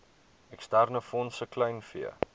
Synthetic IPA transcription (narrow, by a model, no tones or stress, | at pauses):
ɛkstærnəfɔnsəklɛjnfḭə̰